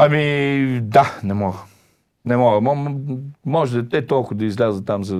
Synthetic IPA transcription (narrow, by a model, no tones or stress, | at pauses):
ɐmid̪anɛmɔɡə | nɛmɔɡəmɔ | mɔʒɛd̪t̪ɛt̪ɔlˠkʊd̪ɐizlʲazət̪t̪ːamzɐ